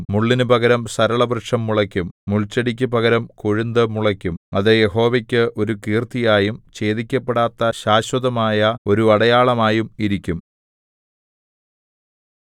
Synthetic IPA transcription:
muɭːinupɐɣɐɾɐmsɐɾɐɭɐbrɨʈʂɐmːuɭɐkʲːumːuɭt͡ɕːɐɽik̬ʲːɐpɐɣɐɾɐmkoɻind̪ɨmuɭɐkʲːumɐðɨje̞ho̞ːʋekʲːɨʔo̞ɾukiːrt̪ijaːjumt͡ɕe̞ːðikʲːɐpːeɽaːt̪ːɐɕaːɕwɐðɐmaːjɐo̞ɾuɐɽɐjaːɭɐmaːjumiɾikʲːum

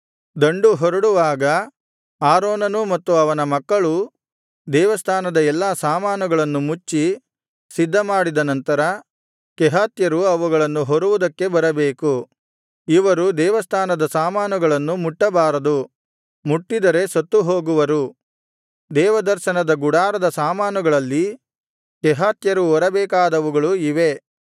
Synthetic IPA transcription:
d̪ɐɳɖuɦɔɾɐɽuʋaːɡɐ | aːɾoːnɐnumɐt̪ːuɐʋɐnɐmɐkːɐɭu | d̪ɛːʋɐst̪ʰaːnɐd̪ɐɛlːaːsaːmaːnuɡɐɭɐnːumut͡ʃːi | sid̪ʱːɐmaːɽid̪ɐnɐnt̪ɐɾɐ | kɛɦaːt̪jɐɾuɐʋuɡɐɭɐnːuɦoɾuʋud̪ɐkːe̞bɐɾɐbeːku | iʋɐɾud̪ɛːʋɐst̪ʰaːnɐd̪ɐsaːmaːnuɡɐɭɐnːumuʈːɐbaːɾɐd̪u | muʈːid̪ɐɾe̞sɐt̪ːuɦo̞ːɡuʋɐɾu | d̪ɛːʋɐd̪ɐɾʃɐnɐd̪ɐɡuɽaːɾɐd̪ɐsaːmaːnuɡɐɭɐlːi | kɛɦaːt̪jɐɾuɔɾɐbɛːkaːd̪ɐʋuɡɐɭuiʋe̞

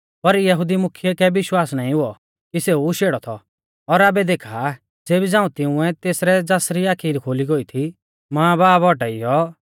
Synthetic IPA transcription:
pɐɾjɐɦʊd̪imʊkʰjɛkɛʋɪʃwaːsnãːĩɦʊɔ | kiseuʃeːɽɔt̪ʰɔ | ɔɾaːbɛd̪eːkʰa | d͡zeːbid͡zãːũt̪ɪ̃ʊ̃ɛt̪eːsɾɛd͡zaːsɾiaːkʰiːɾikʰoːliɡɔit̪ʰi | mãːbaːbɔʈaijɔ

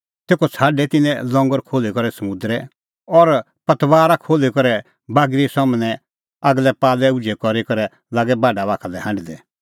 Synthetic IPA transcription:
t̪eːkʰɔt͡sʰaːɖɛt̪ɪnɛ̃lɔ̃ŋɡəɾkʰoːlekɔɾɛsɐmʊ̃d̪ɾɛ | ɔɾ | pɐt̪ʋaːɾakʰoːlekɔɾɛ | baːɡɾisɔmnɛ̃ | aɡlɛpaːlɛʊd͡ʒɛkɔɾekɔɾɛ | laːɡɛbaːɖabaːkʰalɛɦãːɳɖid̪ɛ

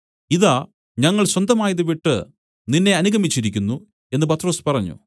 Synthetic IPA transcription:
iðaː | ɲɐŋːɐɭswɐnd̪ʱɐmaːjɐðɨʋiʈːɨ̰ | ninːe̞ɐnuɣɐmit͡ɕːiɾikʲːunːu | e̞nːɨpɐt̪ːro̞ːspɐrɐɲːṵ

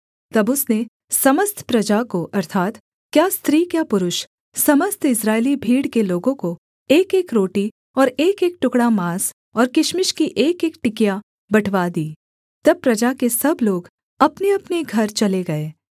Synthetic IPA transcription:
t̪ɐbʊsne | sɐməst̪ʰpɾɐd͡ʒakoʔɐɾt̪ʰaːt̪ | kjaːst̪ɾiːkjaːpʊɾʊʃ | sɐməst̪ʰɪsɾaːelibʱiːɽkeloːɡõko | eːkeːkɾoːʈi | ɔːɾeːkeːk̚ʈʊkɽamaːs | ɔːɾkɪʃmɪʃkiʔeːkeːkʈɪkja | bɐʈʰʋad̪iː | t̪ɐb̚pɾɐd͡ʒakesɐbloːɡ | ɐpneɐpneɡʱɐɾt͡ʃɐleɡɐeː

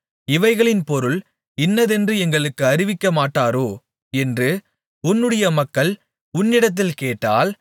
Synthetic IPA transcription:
ɪʋɐɪɣɐɭɪnpɔɾɯɭ | ɪnːɐðɛndrɯɛŋɡɐɭɯkːɯɐɾɪʋɪkːɐmaːʈːaːɾoː | ɛndrɯ | ʊnːɯɽɐjɐmɐkːɐɭ | ʊnːɪɽɐt̪̬ːɪlkeːʈːaːl

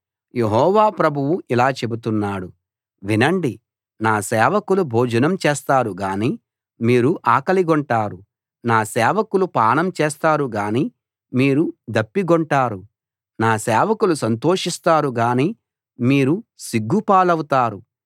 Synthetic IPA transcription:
je̞ɦɔːʋaːpɾɐbʱuwuʔilaːt͡ʃe̞but̪unːaːɽu | ʋinɐɳɖi | naːsɛːʋɐkulubʱoːd͡ʒɐnɐmt͡ʃɛːst̪aːɾuɡaːniː | miːɾuʔaːkɐliɡɔɳʈaːɾu | naːsɛːʋɐkulupaːɳɐmt͡ʃɛːst̪aːɾuɡaːniː | miːɾud̪ɐpːiɡɔɳʈaːɾu | naːsɛːʋɐkulusɐnt̪o̞ːʂist̪aːɾuɡaːniː | miːɾusiɡːupaːlɐwut̪aːɾu

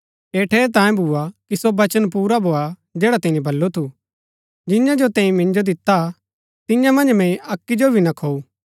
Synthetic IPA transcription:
eːʈʰeːɾt̪̬ãːẽbʱuakisobɐt͡ʃənp̬uːɾabʱoːa | d͡ʒeːɽat̪ɛ̃ːĩbʱɐlːot̪ʰu | d͡ʒɪjãd͡ʒot̪ɛ̃ːĩmɪ̃nd͡ʒod̪ɪt̪ːa | t̪ɪjãmɐ̃nd͡ʒmɛ̃ĩɐkːid͡ʒobʱinãkʰoːuː

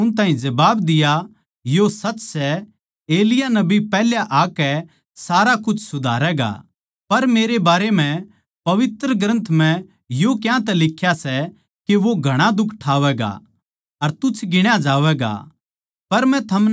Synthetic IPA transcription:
ʊñt̪ãːɦĩd͡ʒɐbaːbd̪ɪja | josɐt͡ʃːsɛ | eːlɪjanɐbipɛːɦljaʔaːkɛ | saːɾakʊt͡ʃʰsʊd̪ʱaːɾɛɡa̰ | pɐɾmeːɾebaːɾemɛ̃ | pɐʋɪt̪ɾəɡɾə̃nt̪ʰmɛ̃ | jokjãt̪ɛlɪkʰːjasɛ | keʋoɡʱɐɽ̃ad̪ʊkʰʈʰaːʋɛːɡa̰ | ɐɾt̪ʊt͡ʃʰɡɪɽ̃jad͡ʒaːʋɛɡa̰ | pɐɾmɛ̃t̪ʰɐm

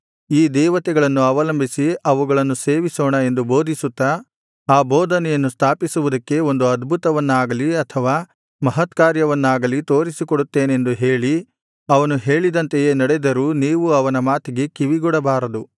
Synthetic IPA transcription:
iːd̪ɛːʋɐt̪ɛɡɐɭɐnːuɐʋɐlɐmbʱisiɐʋuɡɐɭɐnːuse̞ːʋisɔːɳɐe̞nd̪ubo̞ːd̪ʱisut̪ːɐ | aːbɔːd̪ʱɐnɛjɐnːust̪ʰaːpisuʋud̪ɐkːe̞o̞nd̪uɐd̪bʱut̪ɐʋɐnːaːɡɐliɐt̪ʰɐʋaː | mɐɦɐt̪kaːɾjɐʋɐnːaːɡɐlit̪o̞ːɾisikoɽut̪ːe̞ːnend̪uɦe̞ːɭi | ɐʋɐnuɦe̞ːɭid̪ɐnt̪ejeːnɐɽed̪ɐɾuːniːʋuɐʋɐnɐmaːt̪iɡe̞kiʋiɡuɽɐbaːɾɐd̪u

